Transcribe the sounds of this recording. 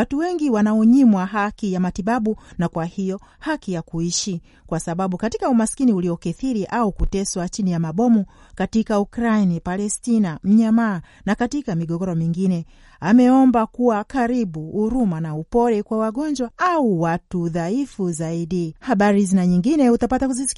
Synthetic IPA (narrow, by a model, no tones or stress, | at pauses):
watuwɛŋɡiwanaɔɲimwaɦakijamatiɓaɓunakwahijɔ | hakijakuiʃi | kwasaɓaɓukatikaumaskiniuliɔkɛθiɾiʔaukutɛswat͡ʃinijamaɓɔmukatikaukɾainipalɛstinam̩ɲamaː | nakatikamiɡɔɡɔɾɔmiŋɡinɛ | amɛɔmbakuwakaɾiɓuːɾumanaupɔɾɛkwawaɡɔɲd͡ʒwaauwatuðaifuzaiɗihaɓaɾizinaɲiŋɡinɛutapatakuzi̥